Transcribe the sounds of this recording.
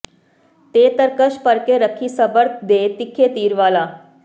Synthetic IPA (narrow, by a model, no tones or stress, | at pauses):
t̪eːt̪əɾkəʃpəɾkeɾəkʰːiːsəbəɾt̪d̪eːt̪ikʰːet̪iːɾʋaːlaː